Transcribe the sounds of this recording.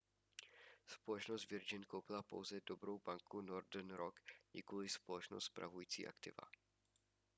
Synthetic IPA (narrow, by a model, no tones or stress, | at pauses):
spo̞lɛt͡ʃnost̪vɪɾd͡ʒɪnkowpɪlapo̞̰wzɛdo̞bɾo̞wbaŋkunoɾdɛnɾokjɪ̰kulɪspo̞lɛt͡ʃnost̪spɾa̰vujiːt͡sḭːʔa̰kt̪ɪ̰va̰